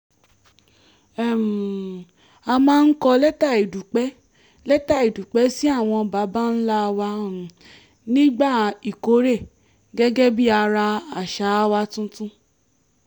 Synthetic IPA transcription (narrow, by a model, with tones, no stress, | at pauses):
ɛ˦˨m˨ | a˧mãː˦n̩˦kɔ˧lɛ˦ta˦˨i˨du˨k͡pɛ˦ | lɛ˦ta˦˨i˨du˨k͡pɛ˨˦si˦a˦˨w̃ɔ̃˧ba˨˦ba˦n̩˦la˦˧wã˧˦˨ | nĩ˦ɡ͡ba˦˨i˨ko˨˦ɾe˦˨ | ɡɛ˦ɡɛ˦bi˦a˧ɾa˧a˨ʃa˨˦wa˦tũ˦tũ˦